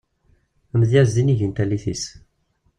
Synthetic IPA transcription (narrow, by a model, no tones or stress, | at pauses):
əməðjæzd̪iniʝint̪ælːiθis